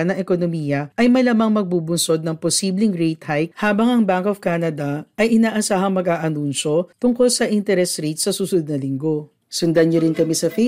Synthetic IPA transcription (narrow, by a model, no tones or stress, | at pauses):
ɐnɐŋʔɛkonomiːjɐʔɐjmɐjlɐmɐŋmɐɡ̚buːbʊnso̞d̪̚nɐŋposiːblɪŋɾejt̪hajk̚haːbɐŋʔɐŋbaŋkʔofkaːnɐd̪ɐʔɐjʔɪnaːʔɐsaːɦɐŋmɐɡʔaːʔɐnunʃo̞t̪ʊŋko̞lsɐʔɪnt̪ɛɾɛsɾit̪sɐsuːsʊʊd̪̚nɐlɪŋɡo̞ | sʊnd̪ɐnoɾɪnkɐmɛsɐfe